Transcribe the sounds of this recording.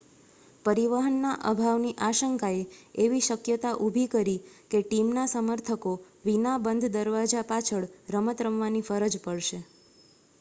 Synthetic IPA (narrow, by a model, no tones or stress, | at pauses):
pəɾiʋəɦənːaʔə̰bʱaʋniʔaʃəŋkaeeʋiʃəkjət̪aʔubʱikəɾikeʈimnasəməɾt̪ʰəko | ʋinabənd̪ʱd̪əɾʋad͡ʒapat͡ʃʰəɭɾəmət̪ɾəmʋanifəɾəd͡ʒpəɭʃe